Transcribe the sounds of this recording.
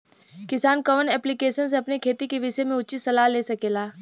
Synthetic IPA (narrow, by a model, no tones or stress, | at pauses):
kɪsaːnkəʋənɛːplikeːʃəns̬eɐpnekʰeːt̪ikeʋɪʃəmẽʊt͡ʃisɐlaːɦleːsɐkeːlaː